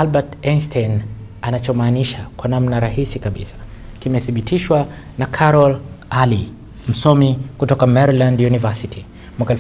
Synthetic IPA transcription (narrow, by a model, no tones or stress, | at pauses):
alɓatɛnstɛn | anat͡ʃɔmaːniʃakwanamnaɾahisikaɓḭsḁ | kimɛθiɓitʰiʃwa | nakʰaɾɔlali | m̩sɔmikutɔkamɛɾilandjunivasitʰi | mwakaɛ